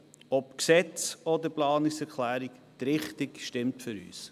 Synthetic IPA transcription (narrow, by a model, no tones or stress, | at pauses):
ɔpksɛt͡sɔd̪əplɑːnɪksɛɾkʰlæːɾikt̪ɾɪχtɪkʃtɪmtfʏɾy̰ːs